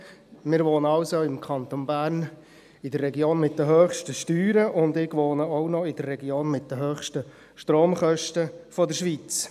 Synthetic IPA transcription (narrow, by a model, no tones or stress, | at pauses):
mɪːɾʋoːnəɑwsoɪmkʰɑnt̪onbæːɾn | ɪdərːɛɡjoːnmɪt̚d̥̪əɦøːχʃtəʃtyːɾəʔʊndɪɡ̥ʋoːnəɔʊnɔɪd̥ərːɛɡjoːnmɪt̚d̪̥əɦøːχʃtə | ʃtroːmχœʃtəfɔdəɾʃʋit͡s